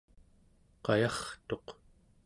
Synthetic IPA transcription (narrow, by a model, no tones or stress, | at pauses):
qɑjɑχt̪o̞q